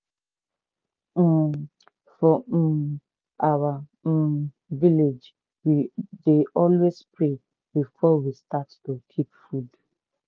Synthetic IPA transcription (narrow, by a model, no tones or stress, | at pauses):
fɔ | awa | viled͡ʒ | wideʔɔlwespɹe | bifɔwistattokʰipfud